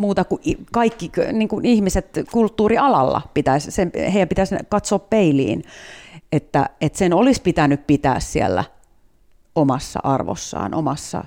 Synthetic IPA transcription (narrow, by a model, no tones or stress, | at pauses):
muːt̪ɑkuʔikɑikːiniːŋkunihmiset̪kult̪ːuːriɑlɑlːɑ̰pit̪æssemheijæmpit̪æskɑt̪soːppeilḭːn | et̪ːæ̰et̪senolispit̪ænyppit̪æ̰ːssiḛlːæ̰ | omɑsːɑ̰ʔɑrʋo̰sːɑ̰ːnʔomɑsːɑ̰